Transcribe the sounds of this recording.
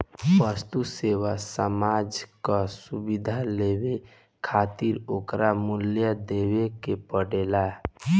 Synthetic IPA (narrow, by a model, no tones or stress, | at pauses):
bəst̪usewasəmad͡ʒkasubid̪ʱalebe | kʰat̪iɾoːkɾamuljəd̪ewekepəɽela